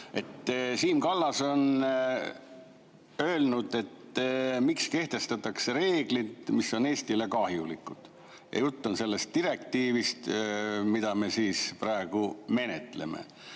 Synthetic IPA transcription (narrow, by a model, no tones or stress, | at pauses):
e̞t̪ːsiːmkɑlːɑso̞n | ø̞ːlnud̪̥e̞t̪ːmikske̞ht̪e̞st̪ɑt̪ːˑɑkse̞ɾe̞ːɡlid̪misːo̞ne̞ːst̪ile̞kɑhjulikːˑud̪̥ | jʔɑ̰jut̪ːunse̞lːe̞st̪ːiɾe̞k̚t̪iːvist̪mid̪̥ɑme̞siːspɾɑe̞ɡ̥ume̞net̪le̞mḛ